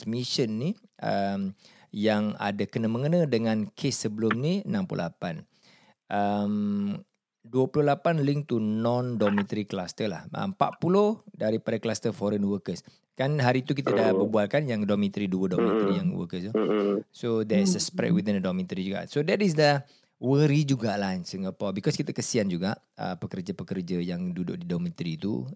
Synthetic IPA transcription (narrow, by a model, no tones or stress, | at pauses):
miʃənːiʔəm | jaŋa̰dakənaməŋənãdəŋãnkʰesːəbəlʊmniənãmpṵo̰lapan | ʔəm | duəpulolapanliŋt̪unɔ̃ndɔmĩt̪əɾiklast̪əla̰hə̰mpa̰ʔ̪̚pulohdaɾipadaklast̪əfɔɾənwəkəs | kanɦaɾit̪ukit̪ədahbəbualkanjaŋdɔmĩt̪ɾiduədɔmĩt̪ɾijaŋwə̰kəsusodɛsəspɾɛ̰t̚widĩndədɔmĩt̪ɾid͡ʒuɡa̰ʔsodɛt̪is̬də | wəɾid͡ʒuɡaʔlajnsəŋɡəpawbikɔskit̪əkəsiand͡ʒuɡaʔ | ə̰pəkərd͡ʒapəkərd͡ʒəjaŋdudʊ̰ʔdidɔmĩt̪ɾit̪ṵ